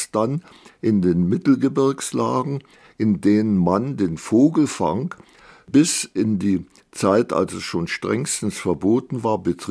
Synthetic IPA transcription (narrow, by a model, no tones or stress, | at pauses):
sd̥an | ʔɪndeːnmɪtl̩ɡəbɪɐkslaːɡŋ̩ | ʔɪndeːnənmandeːnfoːɡl̩fa̰ŋk | b̥ɪsʔɪndiː | t͡saɪta̰lsɛsʃoːnʃtʁ̥ɛŋstn̩sfɛɐboːtn̩vaːɐbətʁ